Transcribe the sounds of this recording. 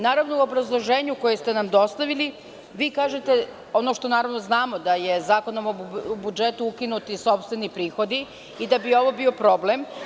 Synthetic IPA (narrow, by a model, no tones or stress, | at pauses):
naːɾaʋnouo̞bɾazlˠo̞ʒe̞ːɲuko̞jest̪e̞namd̪o̞st̪aʋili | ʋiːkaːʒet̪e̞ | o̞no̞ʃt̪o̞naːɾaʋnoznaːmo̞d̪aje̞zaːko̞nomobud͡ʒe̞t̪uukinut̪iso̞pst̪ʋe̞nipɾiːxo̞d̪i | id̪abio̞ʋo̞bio̞pɾo̞blem